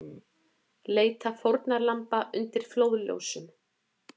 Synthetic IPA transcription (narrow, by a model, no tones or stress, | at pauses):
leːjt̪afowɾt̪naɾlampaʔʏnt̪ɪɾ̥floːwðljo̰wsʏm